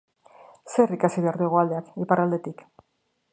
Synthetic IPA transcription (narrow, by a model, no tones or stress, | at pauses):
se̞rikasiβeaɾðieɣoald̪eakepaɾald̪e̞t̪ik